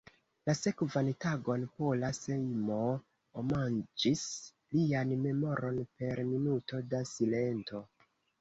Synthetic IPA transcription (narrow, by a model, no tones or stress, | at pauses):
lase̞kvantaɡo̞npolase̞jmo | omand͡ʒis | lianme̞mo̞ɾo̞npe̞ɾminuto̞dasile̞nto̞